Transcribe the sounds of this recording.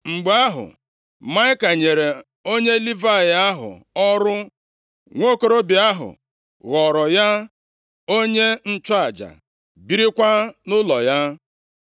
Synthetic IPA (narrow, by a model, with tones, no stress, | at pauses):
ŋ͡m̩˨ɡ͡ba˦ɦʊ̰˨ | ma˦ɪ˦ka˨ɲe˨ɾe˨ | o˦ɲe˦li˦va˦˨ja˦ɦʊ̰˨ɔ˦ɾʊ˦ | ŋʷo˦ko˦ɾo˦bɪ˨a˦ɦʊ̰˨ | ɣɔ˨ɾɔ˨ja˦ | o˦ɲe˦n̩˦t͡ʃɔ˦a˨d͡ʒa̰˨ | bi˦ɾi˦kʷa˦nʊ˦lɔ˨ja˦